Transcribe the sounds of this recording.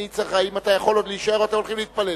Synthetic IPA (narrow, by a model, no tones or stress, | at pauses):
it͡saχaimat̪ajaχo̞lodliːʃae̞ʁoat̪emolχimlit̪pale